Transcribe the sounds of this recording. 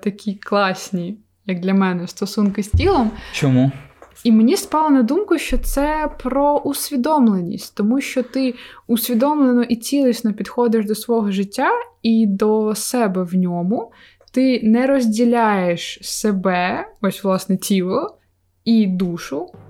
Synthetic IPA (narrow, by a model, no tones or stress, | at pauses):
t̪ɐkʲʰiklˠɑsʲnʲi | jɐɡ̚d̪lʲɐmɛnɛst̪ɔsunkɪsʲtʲilˠɔmt͡ʃɔmuimenʲispɑlˠɐnɐd̪umkʊʃt͡ʃɔt̪sɛpɾɔʔusʲʋʲid̪ɔmlˠenʲːḭsʲtʲt̪ɔmuʃt͡ʃɔt̪ɪʊsʲʋʲid̪ɔmlˠenɔʔit͡sʲilˠɪsʲnɔpʲid̪xɔd̪ɪʃd̪ɔsʋɔɦɔʒɪtʲːaid̪ɔsɛbɛwnʲɔmʊ | t̪ɪnɛɾɔzʲdʲilʲajeʃsebɛɔsʲʋlˠɑsnɛtʲilˠɔ | id̪uʃʊ